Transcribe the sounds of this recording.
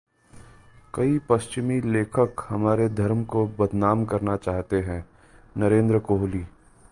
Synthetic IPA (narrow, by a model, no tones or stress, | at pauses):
kɐipɐst͡ʃɪmileːkʰəkhɐmaːɾed̪ʱɐɾmkobɐd̪ʱnaːmkɐɾnat͡ʃaːɦt̪eɦɛ̃ː | nɐɾẽːnd̪ɾəkoːɦliː